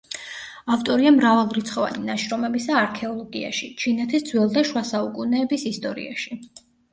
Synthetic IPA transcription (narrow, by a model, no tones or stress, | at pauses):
aft̪ʼɔɾiamɾavɛlˠɾit̪sʰχɔva̰ninaʃɾɔmɛbisaːɾkʰɛɔlˠɔɡia̰ʃit͡ʃʰinɛt̪ʰisd̪zwɛlˠd̪aʃwasaukʼunɛːbisist̪ʼɔɾḭa̰ʃi